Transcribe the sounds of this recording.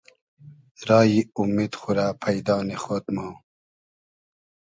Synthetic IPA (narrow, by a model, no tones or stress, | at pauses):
ɾɑːjiumid̪xuɾaːpʰajd̪ɑːnexot̪mo